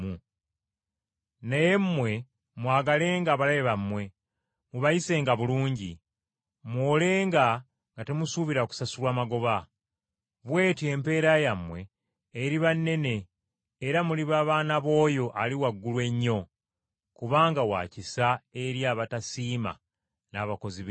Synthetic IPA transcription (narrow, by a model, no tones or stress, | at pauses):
u | najemːwe̞ | mwaːɡale̞ːŋɡaːβalajeβamːwe̞ | muβajise̞ːŋɡaβuluːɲɟi | mwoːle̞ːŋɡa | ŋɡate̞musuβiɾaku̥sasulwaːmaɡo̞βa | βwe̞ːtie̞mpe̞ːɾajamːwe̞ː | ɾiβanːe̞ne̞ː | ɾamuliβaːβaːnaβo̞ːjo̞ʔaliwaɡːulwe̞ɲːo̞ | kuβaːŋɡawa̰ːcisae̞ɾjaːβatasiːma̰ | naːβako̞ziβ